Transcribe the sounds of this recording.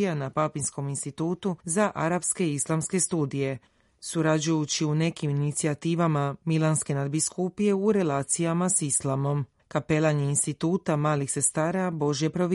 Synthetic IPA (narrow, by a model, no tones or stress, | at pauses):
janapapinsko̞minst̪it̪uːt̪uzaʔaɾapske̞islˠamske̞st̪uːd̪ije̞ | suɾad͡ʑujut͡ɕiune̞kiminit̪siat̪iːʋamamilˠanske̞nad̪biskupije̞uɾe̞laːt̪sijamasislˠamo̞m | kape̞lˠaɲeinst̪it̪uːt̪amaːlixse̞st̪aːɾabo̞ʒje̞pɾo̞ʋ